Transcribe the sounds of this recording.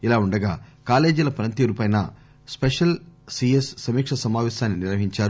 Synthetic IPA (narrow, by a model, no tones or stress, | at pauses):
ilaːuɳɖɐɡaːkaːle̞ːd͡ʒulɐpɾɐnt̪iːɾupɐjnɐ̰ | speʂɐlsiessɐmiːkʂɐsɐmaːʋeːʃaːnːiniɾʋɐɦiɲt͡ʃaːɾu